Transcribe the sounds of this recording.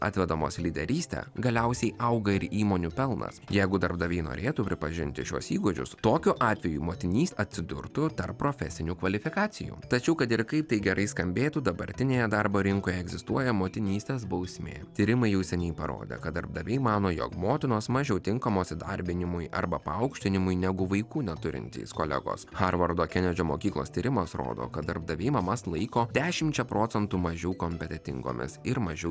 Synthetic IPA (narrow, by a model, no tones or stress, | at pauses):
ɑ̰ːt̪ʲʋʲɛd̪oːmo̰ːslʲiːd̪ʲɛ̰ɾʲiːst̪ʲɛ̰ɡɐlʲɛʊsʲɛɪʔɐʊɡɐɪɾiːmoːnʲupʲɛlˠnɐ̰sjɛɪɡʊd̪ɐɾbd̪ɐʋʲɛɪno̰ːɾʲeːt̪upʲɾʲɪpɐʒʲɪ̰nʲt̪ʲɪʃʲuɔsiːɡod͡ʒʲʊ̰st̪oːkʲʊʔɑːt̪ʲʋʲɛjṵːmoːt̪ʲɪnʲiːsʲɐt̪ʲsʲɪd̪ʊ̰ɾt̪ʊt̪ɐrppːɾoːfʲɛ̰sʲɪnʲukʋɐlʲɪfʲɪkɑːsʲɪjṵːt̪ɐt͡ʃʲɛʊkɐt̪ɪɾkɐɪp̚t̪ɐɪɡʲɛɾʔɐɪskɐmʲbʲeːt̪ud̪ɐbɐɾʲt̪ʲɪnʲeːjɛd̪ɐɾboːɾʲɪŋkoːjɛɛɡzʲɪst̪uɔjɛmoːt̪ʲɪnʲiːsʲt̪ʲeːs̬bɐʊsʲmʲḛːt̪ʲiːɾʲɪmɐɪjɛʊsʲɛnʲɛɪpɐɾo̰ːd̪ʲḛkɐt̪d̪ɐɾb̚d̪ɐʋʲɛɪmɑːnoːjo̰kmoːt̪ʲɪnoːsmɐʒʲɛʊt̪ʲɪŋkɐmoːsʲɪd̪ɐ̰ɾʲbʲɪnʲɪmʊɪʔɐ̰ɾbɐpɐɐʊkʃʲt̪ʲɪnʲɪmʊɪnʲɛɡʊʋɐɪkuːnʲɛt̪ʊɾʲɪ̰nʲt̪ʲḭːskoːlʲɛ̰ɡo̰ːsxɐɾʋɐɾd̪oːkʲɛnʲɛd͡ʒʲomo̰ːkʲiːklˠo̰ːst̪ʲiːɾʲɪmɐsɾo̰ːd̪o̰ːkɐt̪̚d̪ɐɾb̚d̪ɐʋʲeɪmɐmɐslˠɐɪkoːd̪ʲæːʃʲɪmʲt͡ʃʲɛpɾʔoːt̪ʲɛnt̪uːmɐʒʲɛʊkomʲpʲɛt̪ʲɛt̪ʲɪ̰ŋɡo̰ːmʲɪ̰sɪɾmɐʒʲɛʊ